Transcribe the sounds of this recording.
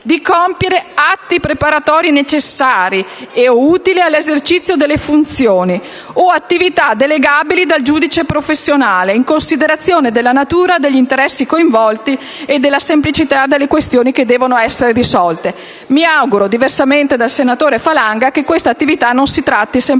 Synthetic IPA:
d̪ikompjeɾeat̪ːipɾepaɾat̪ɔːɾinet͡ʃesːaːɾieouːt̪ilialːezert͡ʃit̪sːjod̪elːefunt̪sjoːni | oat̪ːivit̪ad̪eleɡaːbilid̪ald͡ʒuːd̪it͡ʃepɾofesːjonaːleiŋkonsid̪eɾat̪sːjoːned̪elːanat̪uːɾad̪eʎːint̪eɾɛsːikoiɱvɔlt̪i | ed̪ːelːasemplit͡ʃit̪ad̪elːekwest̪joːniked̪ːɛːvonoɛsːeɾeɾisɔlt̪e | miawɡuɾod̪iversament̪ed̪alsenat̪oːɾefalaŋɡakekwest̪at̪ːivit̪anːonsit̪ɾat̪ːisem

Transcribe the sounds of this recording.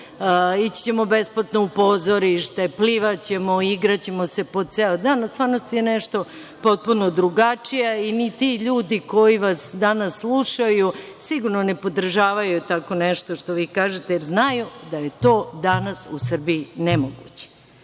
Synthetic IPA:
it͡ɕt͡ɕe̞mo̞besplat̪noupo̞zo̞ɾiʃt̪epliʋat͡ɕe̞moiɡɾat͡ɕe̞mose̞pod̪̚t̪seːod̪aːnst̪ʋaːɾnost̪ijeneʃt̪o̞ | po̞t̪̚punod̪ɾuɡat͡ʂijainit̪iʎuːd̪iko̞jiʋasd̪anasːlˠuʃaju | siɡuɾnone̞po̞d̪r̩ʒaːʋajut̪ako̞neʃt̪o̞ʃt̪oʋiːkaːʒet̪ejeɾznajud̪aje̞t̪o̞ːd̪anasusr̩biinemoɡut͡ɕe̥

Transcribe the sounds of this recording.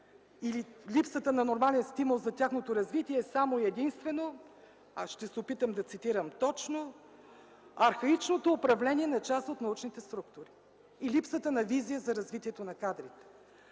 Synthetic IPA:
ililipsət̪ənɐnoɾmalɛnst̪imulˠzɐt̪ʲaxnot̪oɾɐzvit̪iɛsamoiɛd̪inst̪vɛno | aʃt̪ɛsɛopit̪əmd̪ɐt̪sit̪iɾəmt̪ɔt͡ʃno | ɐɾxɐit͡ʃnot̪oːpɾɐvlɛniɛnɐt͡ʃast̪ot̪nɐut͡ʃnit̪ɛst̪ɾuk̚t̪ʊɾiː | lipsət̪ənɐvizijəzɐɾɐzvit̪iɛt̪onɐkad̪ɾit̪ɛ̥

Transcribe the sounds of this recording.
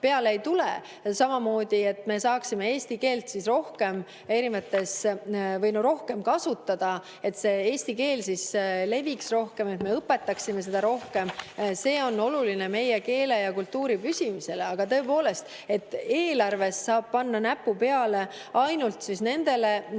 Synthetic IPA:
pe̞ɑlejt̪ule | sɑmɑmo̞ːd̪̥ie̞t̪ːˑme̞sɑːksime̞eːsʲt̪ike̞ːlt̪sisro̞hke̞m | e̞ɾinvɑt̪ːˑe̞svɤjnoɾo̞hke̞mkɑsut̪ːˑɑd̪̥ɑ | e̞t̪ːse̞eːsʲt̪ike̞ːlsisle̞viksro̞hke̞me̞t̪me̞ɤpːˑe̞t̪ːɑksime̞s̬e̞d̪̥ɑɾo̞hke̞mse̞ːo̞nːo̞luline̞me̞jeke̞ːle̞jɑkult̪ːuːɾipysimise̞le̞ɑɡ̥ɑt̪ɤ̞epo̞ːle̞st̪ | e̞t̪ːˑe̞ːlɑrve̞sːɑːb̥̚pɑnːɑnæpːupe̞ɑle̞ | ɑjnult̪sisne̞nd̪̥e̞le̞

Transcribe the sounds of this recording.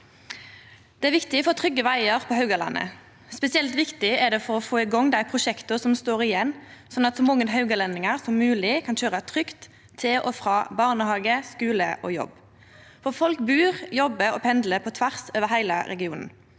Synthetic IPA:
d̪̥ɛæʁʋɪkt̪ɪfɔot̪ʰʁʏɡːəʋæɪəʁpʰɔhɑʉɡəlɑ̰nʔə̰ | spɛsɪɛlt̪ʋɪkt̪ɪɛʁd̪ɛfɔʁɔfoːɪɡɔŋːd̪æɪpʰʁʊʃɛkt̪ʊsɔmst̪oːʁɪjɛnːsɔnɑt̪sɔmɔŋːənɦɑʉɡəlɛnɪŋəʁsɔmːʉːlɪkʰɑnɕøːʁət̪ʰʁʏkt̪ʰː | ɪlʔɔfʁɑːbɑʁnəhɑːɡəskʉːlə̰ʔɔ̰jɔ̰b | fɔʁfɔlkbʉːʁjɔbəɔpʰɛnd̪ləpʰɔt̪ʰʋæʁsoːʋəɦæɪlə̰ɾɛɡɪuːnn̩

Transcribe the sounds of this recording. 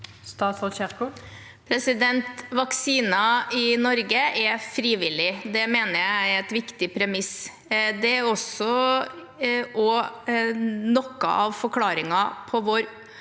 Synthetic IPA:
st̪ɑːt̪sɔɕɛʁkʊ | pʰɾɛsɪd̪ɛnt̪ʋɑksiːnɑɪnɔɾɡəʔɛɾfɾiːʋɪlɪd̪ɛmeːnəjæɪæɛt̪ʋɪkt̪ɪpʰɾɛmɪs | d̪ɛæɾɔsɔ | ʔɔ | nɔkːɑ̰ʔɑʋfɔkʰlɑːɾɪŋɑpʰɔʋoːɾ

